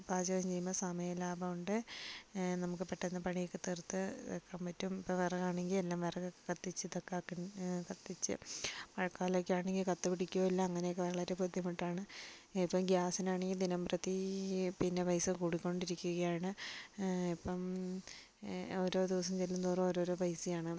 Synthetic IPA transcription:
baːd͡ʑɐʋɐmt͡ɕe̞junːɐsɐmɐjɐlaːbɐuɳɖɨ | nɐmukːɨpeʈːenːɐpɐɳijikːɨt̪ert̪ːɨekːaːmpɐtːumipːɐʋerɐɣaːɳeŋɡilelːaːmʋerɐɣɐkɐt̪ːit͡ɕːɨt̪ekːaːkːikɐt̪ːit͡ɕːɨ̰pɐɻɐkːaːlokʲːaːɳeŋɡilkɐt̪ːɨpiɽikʲːuoːɐlːɐːŋːɐnejokːeʋɐɭɐɾe̞pud̪ʱjɐmiʈːaːɳɨipːɐmɡjaːsɐnaːɳeŋɡild̪inɐmprɐt̪ipinːepɐjsɨkuːɽikʲːo̞ɳɖiɾikʲːuɣɐjaːɳɨ | ipːɐm | oɾo̞ːd̪iʋɐs̬ɐmt͡ɕelːumt̪uːrɐmoɾo̞ːɾo̞ːpɐjsijaːɳɨ

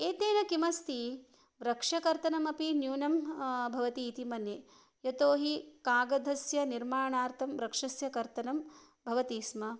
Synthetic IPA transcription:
eːt̪eːnɐkimɐst̪i | ʋɾɐkʂɐkɐɾt̪ɐnɐmɐpinjuːnɐmbʱɐʋɐt̪iːt̪imɐnje | jɐt̪oːɦikaːɡɐd̪ʱɐsjɐniɾmaːɳaːɾt̪ʰɐmʋɾɐkʂɐsjɐkɐɾt̪ɐnɐm | bʱɐʋɐt̪iːsmɐ

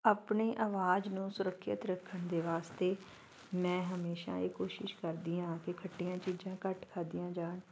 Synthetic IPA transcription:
aːpɳeːʔaːʋaːd͡ʒnũːsʊɾəkʰːə̰t̪ɾəkʰːənd̪eːʋaːst̪eː | mɛ̃ːɦəmeːʃa̰ːiːkoːʃɪʃkəɾd̪iːãːkɪkʰəʈːijãːt͡ʃiːd͡ʒãːkəʈkʰəɾd̪ijãːd͡ʒaːɳ

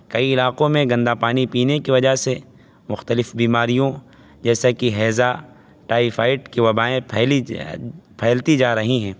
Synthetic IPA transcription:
kɐiɪlaːqõmẽɡɐ̃nd̪apaːnipiːnekiʋɐd͡ʒaɦse | mʊxt̪əlɪfbiːmaːɾijõ | d͡ʒɛːsakiɦɛːza | ʈaːifaːɪʈkiʋɐbaːẽpʰɛːi | pʰɛːlt̪id͡ʒaːɾɐɦiɦɛ̃ː

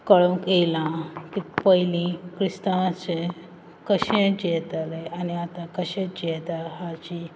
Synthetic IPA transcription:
kəɭũkelãkipəɦilĩkɾist̪ãt͡se | kəɕẽd͡ʑet̪aleaniat̪ãkəɕẽd͡ʑet̪aɦat͡ɕi

